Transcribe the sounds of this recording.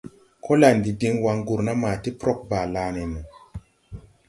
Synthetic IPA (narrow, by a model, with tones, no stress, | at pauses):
kʰo˦la˨ndi˨di˧ŋwa˧ŋɡu˨ɾna˦ma˨ti˦pɾo˦k̚ba˨laː˨˦nɛ˨nu˨